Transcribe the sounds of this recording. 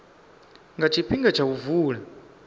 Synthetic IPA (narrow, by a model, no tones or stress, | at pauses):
ŋɡat͡ʃʰiɸiŋɡat͡ʃʰauvuːla